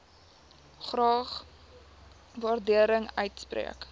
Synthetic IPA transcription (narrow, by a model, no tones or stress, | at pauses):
χrɑːχ | vɑːrdiəɾəŋœ̰ɥtsprḭək